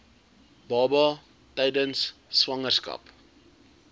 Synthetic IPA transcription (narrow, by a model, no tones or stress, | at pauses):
bɑːbɑ | tɛjdənsːvɐŋərskɐ̰p